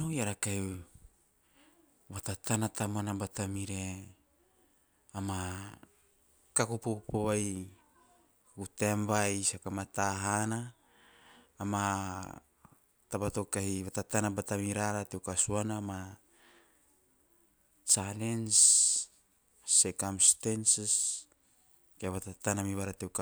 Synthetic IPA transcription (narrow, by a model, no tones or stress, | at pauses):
ojaɾakaj | βat̪at̪ʰanat̪amanabat̪amiɾe | ama | kakupokupoβaj | kakutembajsakamat̪aɦana | ma | tabato̞kahiβatatanabatamiɾaɾatewkasuanama | t͡ʃalens | ekamstensis | keβatatanamiβaɾatewka